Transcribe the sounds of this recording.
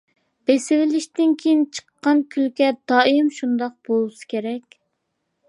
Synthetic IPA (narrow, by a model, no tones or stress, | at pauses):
b̥esɪvɪlɪʃt̪ɪnkʲʰejint͡ʃʰə̥qːɑnkʲʰylkʲɛd̪̥ɑːimʃund̪ɑq̚b̥olˠɨsɨ̥kʲʰeɾɛkʲ